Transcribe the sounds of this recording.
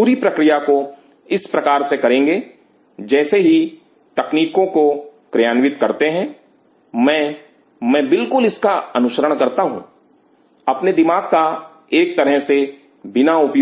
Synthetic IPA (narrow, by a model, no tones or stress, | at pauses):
uːɾipɾɐkɾijako | ɪspɾɐkaːɾsekɐɾẽːŋɡeː | d͡ʒɛːseɦi | t̪ɐkniːkõkokɾjaːnʋɪt̪kɐɾt̪eɦɛ̃ | mɛ̃ː | mɛ̃ːbɪlkʊlɪskaɐnʊʃəɾəɽ̃kɐɾt̪aɦṵ̃ | ɐpned̪ɪmaːɡ̚ka | eːk̚t̪ɐɾəɦse | bɪnaʊpj